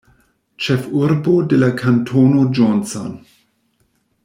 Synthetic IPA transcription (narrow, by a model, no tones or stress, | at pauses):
t͡ʃefuɾbodelakʰantʰonod͡ʒonsa̰n